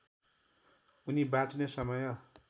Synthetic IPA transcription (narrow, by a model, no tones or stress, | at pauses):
unibãt͡snesʌmʌjʌ